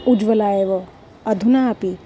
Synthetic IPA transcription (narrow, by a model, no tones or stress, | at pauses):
ud͡ʒʋəlaːeʋɔ | ɐd̪ʱunaːpi